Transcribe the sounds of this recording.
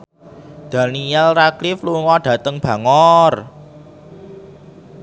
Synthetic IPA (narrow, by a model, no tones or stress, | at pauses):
d̪̥ä̤niɛlraklɪfluŋɔɖ̥ä̤t̪əŋb̥ä̤ŋɔr